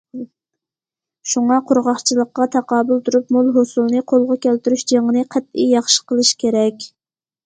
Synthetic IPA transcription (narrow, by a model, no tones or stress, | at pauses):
ʃuŋɑqʰʊɾʁɑχt͡ʃʰilˠəqːɑt̪ʰɑqɑːbulˠt̪ʰuɾupmolˠɦosulˠnɨqʰolˠʁʊkʲʰælt̪yɾyʃd͡ʒeŋənɨqʰæt̪̚ḭjɑχʃə̥qəlˠɨʃkʲʰeɾɛkʲ